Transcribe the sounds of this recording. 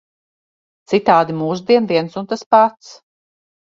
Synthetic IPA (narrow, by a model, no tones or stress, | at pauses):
t̪sit̪aːd̪imuːs̬d̪iɛnviɛnsunt̪aspat̪s